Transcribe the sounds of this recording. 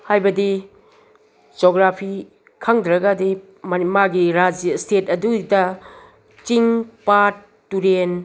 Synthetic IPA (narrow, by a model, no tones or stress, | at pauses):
hajbɐdi | d͡ʒoɡɾapʰi | kʰaŋd̪ɾɐɡadi | mmaɡiɾad͡ʒijɐstʰetɐdudɐ | t͡ʃiŋpat | tːuɾen